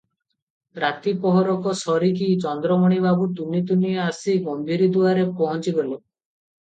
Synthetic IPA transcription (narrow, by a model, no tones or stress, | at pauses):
ɾat̪ipɔɦɔɾɔkɔsɔɾik̬it͡ʃɔnd̪ɾɔmɔɽ̃ibabut̪unit̪unieasiɡɔmbʱiɾid̪uaɾepɔɦɔnt͡ʃibelu